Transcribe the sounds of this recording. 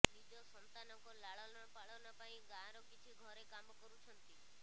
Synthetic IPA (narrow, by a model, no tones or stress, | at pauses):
ɾid͡ʒɔsɔnt̪anɔkɔlaɭɔnɔpaɭɔnɔpaĩɡaɾɔkit͡ʃʰiɡʱɔɾekamɔkɔɾut͡ʃʰɔnt̪i